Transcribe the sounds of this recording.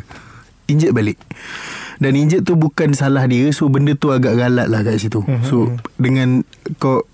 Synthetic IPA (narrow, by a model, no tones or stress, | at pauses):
iɲd͡ʒət̪̚baleʔ | daniɲd͡ʒət̪̚ːubukansalahdiəsobəndət̪uaɡaʔɡalaʔ̪̚laht̪aʔsit̪usodəŋãnkɔʔ